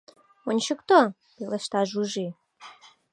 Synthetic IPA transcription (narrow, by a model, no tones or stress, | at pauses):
onʲt͡ɕəkt̪o | peleʃt̪ɑʒuʒi